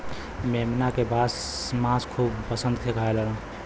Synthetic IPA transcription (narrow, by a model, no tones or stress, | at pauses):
memnakebʱasmãskʰuːbpəsə̃nd̪̚kʰekaeləlã